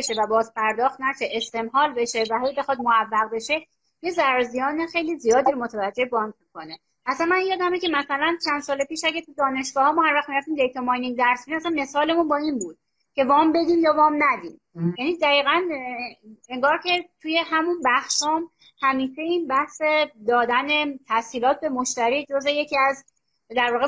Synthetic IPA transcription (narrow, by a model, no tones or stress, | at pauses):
ʃevæbɒːzpʰæɾd̪ɒːxt̪næʃeʔest̪ʰe̞mhɒːlbe̞ʃe̞væhejbe̞xɒd̪̚moævːæɣbe̞ʃe̞ | je̞zæɾɒzijɒːnexe̞jlizijɒːd̪iːɾomot̪ʰævæd͡ʒːe̞hbɒːŋcmiko̞ne̞ | ʔæsænmænjɒːd̪æmecʰe̞mæsælænt͡ʃʰænd̪sɒːlepiːʃæɟæɾt̪ʰud̪ɒːne̞ʃɡ̥ɒːhɒːmɔːhæɾvæxt̪miɾæft̪imd̪ejt̪ʰomɒjniŋd̪æɾsinimæsænme̞sɒːle̞munbɒːiːnbuːd̪̥̚ | cʰe̞vɒːmbe̞d̪iːmjɒːvɒːmnæd̪iːm | jæniːd̪æiːɣæn | eŋɡɒːɾcʰe̞t̪ʰuːje̞ɦæmunbæxʃɒːm | hæmiːʃe̞iːnbæhsed̪ɒːd̪æne̞t̪ʰæsiːlɒːt̪̚ʰbe̞moʃt̪æɾiːd͡ʒozeje̞cʰiæz | d̪æɾvɒːɣe